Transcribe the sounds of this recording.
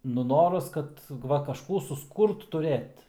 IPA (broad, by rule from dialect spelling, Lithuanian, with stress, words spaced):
nʊ ˈnoːrɐs ˈkɐt ˈʋɐ kɐʃˈkuː sʊsˈkuːrt tʊˈrʲeːt